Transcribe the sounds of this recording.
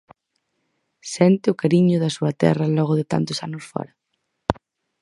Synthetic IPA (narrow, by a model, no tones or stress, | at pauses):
sɛnt̪ɪʊkaɾiɲʊðɐsuɐt̪ɛ̰rɐlɔɣʊðɪt̪a̰nt̪ʊ̥sanʊsfɔ̰ɾɐ